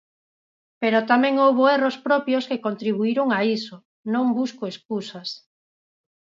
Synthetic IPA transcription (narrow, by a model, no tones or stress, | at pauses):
peɾot̪amẽŋowβoerospɾɔpjoskekont̪ɾiβ̞uiɾoŋaiso | nõŋbuskoeskusas